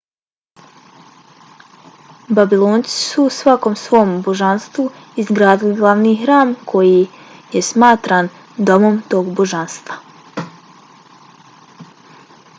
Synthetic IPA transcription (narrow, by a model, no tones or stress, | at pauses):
babilˠoːnt̪si̥suːsʋako̞msʋo̞mbo̞ʒanst̪vu | izɡɾaːd̪iliɡlˠaʋniːxɾaːmkʰo̞ji | jesmaːt̪ɾaːn | d̪o̞mo̞mt̪o̞ːɡbo̞ʒanst̪vʋa